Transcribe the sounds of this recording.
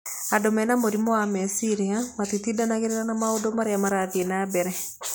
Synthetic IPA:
adomɛnamoɾimoamɛsiɾiamatitidanaɣeɾeɾanamaodomaɾeamaɾaðienabɛɾɛ

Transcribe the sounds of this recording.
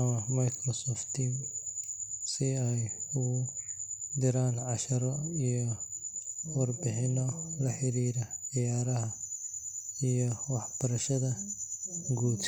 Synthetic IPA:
ɐmɐmajkʰɾɔsɔft̪ʰiːm | sɪɛjʊ | d̪ɪɾaːnʕɑʃɐɾɔijɔ | wɑrbɪħɪnɔlɐħɪɾiːɾɐʕɪjaːɾɐɦɐ | ijɔwɑħb̥ɐɾɐʃɐðɐ | ɡuːd̪

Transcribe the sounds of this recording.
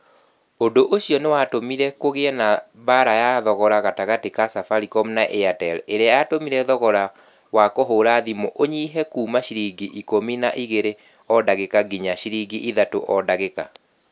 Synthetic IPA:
ondoʔoɕiɔnewatomiɾɛkoɣeɛna | baɾajaðɔɣɔɾaɣataɣatekasafaɾikɔm̩naʔeatɛleɾeajatomiɾɛðɔɣɔɾa | wakoɦoɾaðimoʔoɲiːɦɛkuːmaʃiɾiɡiʔikominaʔiɣeɾe | ɔdaɣekaɡiɲaʃiɾiɡiʔiðato̰ʔɔdaɣeka

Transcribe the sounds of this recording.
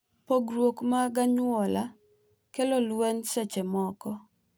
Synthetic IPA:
poɡɾwokmaɡaɲwɔla | kɛlɔlwɛnsɛt͡ʃɛmɔkɔ

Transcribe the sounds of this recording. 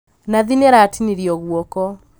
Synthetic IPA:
naðinɛɾatiniɾiɔɣwɔkɔ

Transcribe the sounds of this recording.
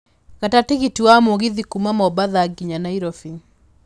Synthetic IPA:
ɣatateɣitiwamoɣiðikumamɔbaðaɡiɲanaiɾɔfin

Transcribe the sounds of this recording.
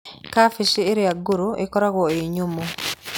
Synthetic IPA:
kafiʃieɾeaɡuɾuekɔɾaɣwoeɲumo

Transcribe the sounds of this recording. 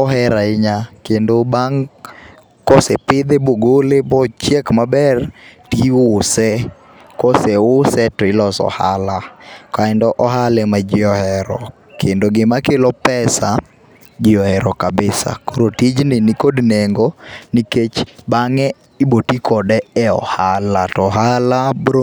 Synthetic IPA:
ɔɦɛɾaɪɲakendobaŋ | kɔsɛpɪd̪eboɡolebɔt͡ʃjɛkmabɛrtiwʊsɛ | kɔsɛʊsɛtɔɪlɔsɔ̰halakaɛndɔʔɔɦalɛmad͡ʒɪɔhɛɾɔ | kʰendoɡɪmakelɔpɛsa | d͡ʒɪɔhɛɾɔkabɪsa̰koɾotid͡ʒnɪnɪkodneŋɡoniket͡ʃbaŋɛ | ibotikɔdɛɛɔ̰halatɔɦalabɾo

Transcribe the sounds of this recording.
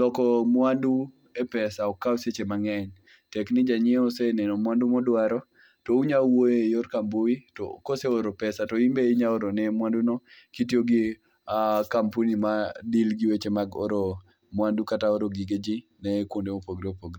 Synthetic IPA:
lɔkɔmwandu | epɛsaɔkːawset͡ʃemaŋɛɲ | tɛknɪd͡ʒaɲɪeosenɛnɔmwandumɔdwaɾɔ | touɲawoejoɾkamboitɔ̰koseoɾopɛsatɔimbeiɲaoɾonɛmwandunokitjoɡi | akampunimadilɡiwet͡ʃemaɡo̰ɾo | mwandukataoɾoɡiɡed͡ʒinɛkwondemopoɡɾiopoɡri

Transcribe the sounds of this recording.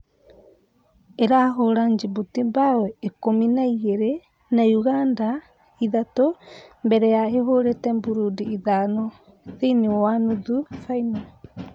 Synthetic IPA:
eɾaɦoɾand͡ʒibutibaweːkominajeɾe | najuɡanda | iðatombeɾejaeɦoɾetembuɾudiːðano | ðiniowanuðufajna

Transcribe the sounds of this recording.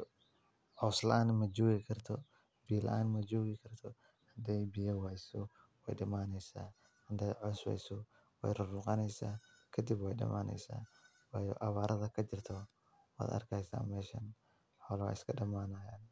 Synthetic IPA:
ʕɔːslɐʔaːnmɐd͡ʒɔːɣɪkʰɐrt̪ʰɔ | biːlɐ̰ʔaːnmɐd͡ʒɔːɣɪkʰɐrt̪ʰɔ | hɐd̪ɛjbijɐwɛjsɔ | wɛ̰jɖɐmaːnɛjsa̰ː | hɐd̪ɛjʕɔswɛ̰jsʊ | wɛ̰jrʊruːqɑnɛjsaːkʰɐd̪ibwɛjɖɐ̰mʔaːnɛ̰jsa̰ː | wɑːjɔʔɐβaːɾʔɐðɐkʰɐd͡ʒɪrt̪ʰɔ | wa̰ːd̪ɐ̰rkʰɛjsa̰ːnmɛːʃɐ̰n | ħɔlwa̰ɪskʰɐɖɐmaːnaːjaːn

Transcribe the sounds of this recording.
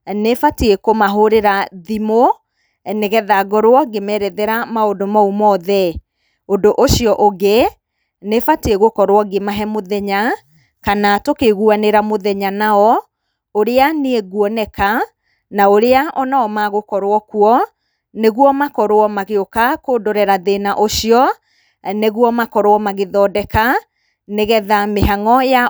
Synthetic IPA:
nefateekomaɦoɾeɾaðimo | neɣɛðaɡɔɾowɔɡemɛɾɛðeɾamaondomaumɔːðɛ | ondoʔoʃiɔʔoɡe | nefateeɣokɔɾwɔɡemaɦɛmoðɛɲa | kanatokeɣuaneɾamoðɛɲanaɔ | oɾeaneeɣwɔnɛka | naoɾeaʔɔnaɔmaɣokɔɾoɔkuɔ | neɣuɔmakɔɾoɔmaɣeokakoːdoɾɛɾaðenaʔoɕiɔ | neɣuɔmakɔɾoɔmaɣeðɔdɛka | neɣɛðameɦaŋɔja

